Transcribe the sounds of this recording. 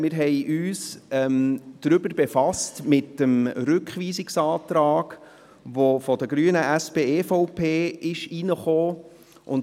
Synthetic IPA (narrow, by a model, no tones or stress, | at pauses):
mɪːɾɦɛjʔyːsɛmd̪̥ɾʏbəɾbefɑstmɪtəmɾʏkχʋiːsɪksɑːt̪ɾaːɡ̥ | ʋofɔdəɡɾyːənəʔæspeːefɔʊpʰeːɪʃinəχoː | ʔʊn